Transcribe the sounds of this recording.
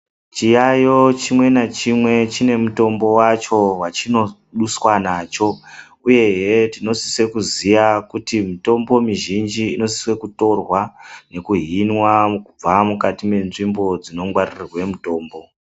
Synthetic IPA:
t͡ʃijajot͡ʃimwe̞nat͡ʃimwe̞t͡ʃine̞muto̞mbo̞wat͡ʃo̞wat͡ʃino̞ | ɗuswanaːt͡ʃo̞ | uje̞ɦetino̞siswe̞kuziʋakutimito̞mbo̞miʒind͡ʒiːno̞si̥swe̞kuto̞rwane̞kuɦinwakub͡vamukatime̞nʐimbo̞d͡zino̞ŋɡwaririrwe̞muto̞ːmbo̞

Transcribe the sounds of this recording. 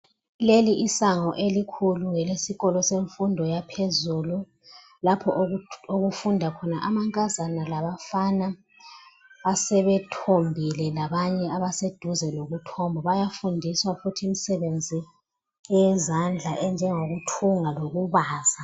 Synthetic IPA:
leliʔːsaŋɔʔelikʰuluŋɛlesiɣɔlɔseɱfundʱɔjapʰezuːlu | lapʰɔʔoɣufundʱakʰɔnaʔamaŋkʼazanalaβafana | βasɛβɛtʰombʱilɛlaβaɲɛaβased̥ʱuzɛloɣutʰɔmbʱɔβajafundʱiswafutʰiːm̩sɛβend͡zʱi | jɛzand͡ɮʱaʔɛnd͡ʒʱɛŋoɣutʰuŋaloɣuβaːza

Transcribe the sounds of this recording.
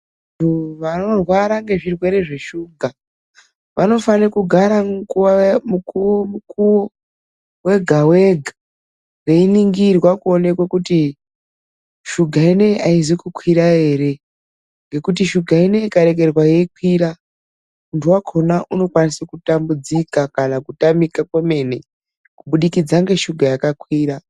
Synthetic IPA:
ntuʋano̞rwaɾaŋɡe̞ʐirwe̞ɾe̞ʐe̞ʃuɡʱa | ʋano̞fanekuɡʱaɾamukuwamukuwomukuwo | we̞ɡʱawe̞ɡʱa | reiniŋɡirwakuone̞kwakuti | ʃuɡʱaine̞ʔaizikukʰwiɾae̞ːɾe̞ | ŋɡe̞kutiʃuɡʱaine̞ikaɾe̞ke̞rwajekwira | muntʰuwakʰo̞naʔuno̞kwanisakutambud͡zikakanakutamikakeme̞ne̞ | kuɓuɗikid͡zaŋɡe̞ʃuɡʱajakakwiːra

